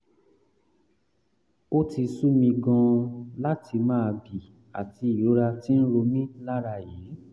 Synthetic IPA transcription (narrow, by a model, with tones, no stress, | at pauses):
o˦ti˧su˦mĩ˧ɡɔ̃˧la˦tʰi˧mãː˦˧bi˨ | a̰˨ti˧i˨jo˨˦ɾa˧ti˦n̩˦ɾo˧mĩ˦la˦ɾa˧˨je˨˦